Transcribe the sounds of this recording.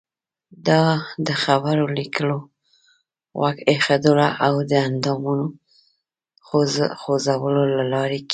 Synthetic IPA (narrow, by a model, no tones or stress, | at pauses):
d̪ɑd̪əxabaɾolikəlo | ɣɑ̰kexad̪olaʔawd̪əand̪ɑmuno | xoxozawəlolalɑɾeki